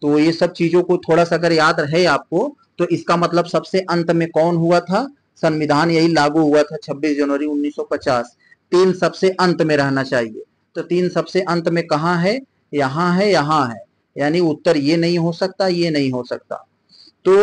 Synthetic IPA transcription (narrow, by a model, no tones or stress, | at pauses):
t̪oːjesɐb̚t͡ʃiːzõkot̪ʰoːɽasaɡəɾjaːd̪ɦɛaːp̚ko | t̪oʔɪskamɐt̪ləbsɐbseʔɐ̃nt̪mẽkɔːnɦuat̪ʰa | sɐ̃nʋɪd̪ʱaːnjɐɦilaːɡuɦuat̪ʰat͡ʃʰɐbːiːsd͡ʒɐnʋəɾiʊnːiːsːɔpɐt͡ʃaːs | t̪iːnsɐbseʔɐ̃nt̪mẽɾɛɦnat͡ʃaːɦiḛː | t̪ot̪iːnsɐbseʔɐ̃nt̪mẽkɐɦãɦɛ | jɐɦãɦɛjɐɦãɦɛː | jaːniʊt̪ːəɾjenɐɦĩɦosɐk̚t̪ajenɐɦĩɦosɐkt̪a̰ː | t̪oː